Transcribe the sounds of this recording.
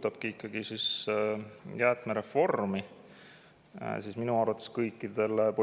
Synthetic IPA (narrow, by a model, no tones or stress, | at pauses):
t̪ːɑb̥̚kiikːɑɡ̥isis | jæːt̪ˑmeɾe̞fo̞rmi | sisminuɑrvɑt̪ːˑeskɤjkːˑid̪̥e̞lpo